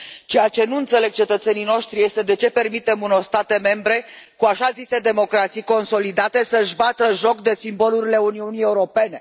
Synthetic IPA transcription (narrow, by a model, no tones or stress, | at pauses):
t͡ʃe̞jat͡ʃe̞nuɨnt̪se̞le̞ɡ̚t͡ʃe̞t̪ət̪se̞nijno̞ʃt̪ɾije̞st̪e̞d̪e̞t͡ʃe̞pe̞rmit̪e̞munorst̪at̪e̞me̞mbɾe̞kuaʃazise̞d̪e̞mo̞kɾat̪sijko̞nso̞lid̪at̪e̞səʒbat̪əʒo̞kd̪e̞simbo̞luɾile̞uniunijeuɾo̞pe̞ne̞